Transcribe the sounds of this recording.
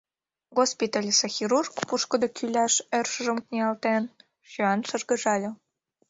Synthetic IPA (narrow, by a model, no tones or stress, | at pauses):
ɣospʲit̪ɑlʲsexʲiɾurkpuʃkə̆d̪okʰylʲɑʃerʃə̆ʒə̆mknʲeɑlt̪en | ʃyɑnʃə̆rɣə̆ʒɑlʲɤ̆